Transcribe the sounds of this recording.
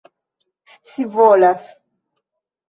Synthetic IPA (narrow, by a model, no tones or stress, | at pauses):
si̥t͡sivɔlas